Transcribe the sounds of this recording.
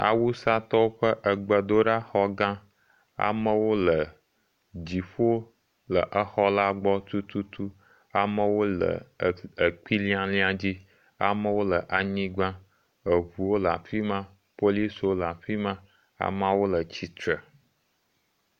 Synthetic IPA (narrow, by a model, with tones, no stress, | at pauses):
a̰˨wu˦sa˦t̪ɔ˦wo˦ɸə˦ʔə˨ɡ͡bə˨d̪o˦ɖa˦xɔ˦ɡã˦ | a̰˨mə̃˦wo˦lə˨ | d͡ʑi˨ɸo˦ | lə˨ʔə˦xɔ˦la˦ɡ͡bɔ˦t̪u˦t̪u˦t̪u˦ | a˨mə˦wo˦lə̰˨ə˨k͡pi˦lĩ˦ã˦lĩ˦a˨d͡ʑi˦ | a̰˨mə̃˦wo˦lə˨ʔa˨ɲĩ˦ɡ͡bã˦ | ə˨βu˨wo˦lə˨a̰˨fi˦mã˦ | po˦li˦so˦lə˨a˨fi˦mã˦ | a̰˨mã˦wo˦lə˨t͡ɕi˨t̪ɾə˨